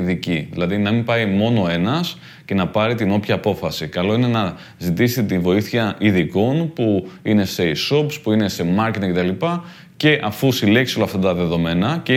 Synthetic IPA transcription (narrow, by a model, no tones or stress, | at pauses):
ðiciðilɐðinɐmimpɐimo̞no̞e̞nɐs | ce̞nɐpɐɾit̪ino̞pçɐːpo̞fɐsikɐlo̞ine̞nɐ | zit̪iset̪et̪invo̞iθçɐʔiðiko̞npuine̞se̞iso̞pspuine̞se̞mɐɾcet̪ɐcet̪ɐlipɐ | ce̞ʔɐfusile̞ksiolɐft̪ɐt̪ɐðe̞ðo̞me̞nɐce